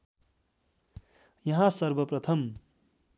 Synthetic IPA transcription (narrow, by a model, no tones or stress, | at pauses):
jʌɦãsʌɾbʌprʌt̪ʰʌm